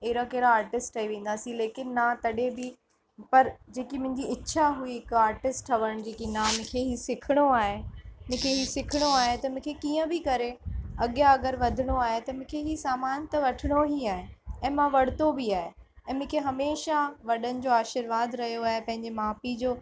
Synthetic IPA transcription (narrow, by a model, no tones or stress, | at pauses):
ɪɦɾãkɐɾaaːɾʈɪsʈɐɦiʋẽːn̆d̪aːsĩleːkɪnːat̪ɐɗebɪ | pɐɾd͡ʑeːkimʊ̃ɦɪ̃ɲd͡ʑiɪtːɕʰaɦuiɦɪkaːɾʈɪsʈʰɐʋəɽ̃d͡ʑeːkinamʊ̃kʰeɦisɪkʰɪɽ̃oaːɦem̃ʊ̃kʰeɦisɪkʰɪɽ̃oaːɦet̪ɐmʊ̃ːkʰekiːə̃bʱɪkɐɾeɐɠjaɐɡəɾʋɐd̪ʱɪɽ̃oaːɦet̪ɐmʊ̃kʰeɦisaːmaːnt̪ɐʋɐʈʰɪɽ̃oɦiaːɦeɛ̃ːmãʋɐɽ̤t̪obiaːɦeɛ̃ːmʊ̃ːkʰeɦɐmeːʃaʋɐɗənɪ̆d͡ʑoːaːʃɪɾʋaːd̪ɾɐɦijoaːɦepɐ̃ɦɪ̃ɲd͡ʑemaːpid͡ʑoː